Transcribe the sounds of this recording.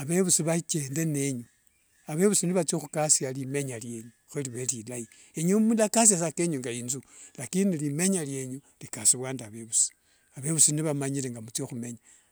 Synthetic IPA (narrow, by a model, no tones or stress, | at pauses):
aβe̞βusiβat͡ʃe̞ːnde̞ne̞ɲu | aβe̞βusiniβat͡sioxukasjalime̞ɲalje̞ɲu | xeliβelilai | eɲomulakas̬jasake̞ɲuŋɡainzulakinilime̞ɲalje̞ɲu | likasiβwaːndaβe̞βusi̥ | aβe̞βusiniβamaɲileŋɡamut͡sjoxume̞ɲa